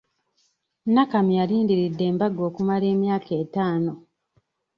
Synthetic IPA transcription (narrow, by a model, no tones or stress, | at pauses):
nakamialiːndiɾidːe̞ːmbaɡo̞ːkumale̞ːmjaːkʰe̞ːtaːno̞